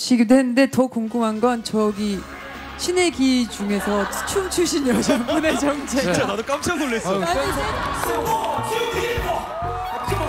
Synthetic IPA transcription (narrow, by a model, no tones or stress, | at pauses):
ɕʰiɡidoɦenːɯnde̞tʌkoŋɡumɦanɡʌnt͡ɕʌɡi | ɕʰine̞ɡit͡ɕuŋe̞sʰʌ̥t͡ɕʰumt͡ɕʰuɕʰiɲʌd͡ʑʌmuned͡ʑʌŋt͡ɕʰet͡ɕanadok͈amt͡ɕʰʌnoɭːesaɲie